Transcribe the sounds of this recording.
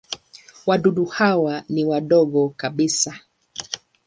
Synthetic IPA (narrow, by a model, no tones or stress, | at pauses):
waɗuɗuhawaniwaɗɔɡɔkaɓisa